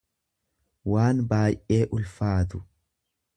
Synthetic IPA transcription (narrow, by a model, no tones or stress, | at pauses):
waːnbaːjʔʔe̞ːʔʊlfaːt̪ʊ̥